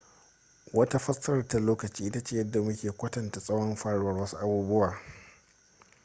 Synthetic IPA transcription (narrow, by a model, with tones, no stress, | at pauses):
wɐ˦ta˦ɸɐ˦sɐ˦ɾɐ˨rta˨loː˦kɐ˨t͡ʃiː˦ʔɪ˦ta˦t͡ʃeː˦˨jɐ˦dːa˨mʊ˦kʲeː˨kʷɐ˦tɐ˨nta˨sʼɐ˦wɔ˦mɸaː˦ɽʊ˦wɐ˦rwɐ˦su˦ʔa˦buː˦bʊ˦waː˨